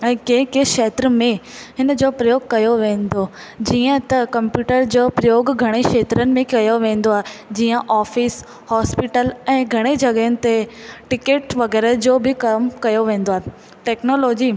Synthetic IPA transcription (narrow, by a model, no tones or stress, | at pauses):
ɛ̃ːkẽːkeʃeːt̪ɾəmẽɦɪnəd͡ʑoːpɾɐjoːɡ̚kɐjoʋẽːn̆d̪oː | d͡ʑiːə̃t̪ɐkɐ̃mpjuːʈəɾd͡ʑoːpɾɐjoːɡɡʱɐɽ̃eʃeːt̪ɾənɪ̆mẽkɐjoʋẽːn̆d̪oaːɦed͡ʑiːə̃ʔaːfis | hɔːspiʈəlɛ̃ːɡʱɐɽ̃ed͡ʑɐɡəɦənɪ̆t̪eʈɪkeːʈʋɐɡɛːɾəd͡ʑoːbʱɪkɐmkɐjoʋẽːn̆d̪oaːɦe | ʈɛːknoːloːd͡ʑiː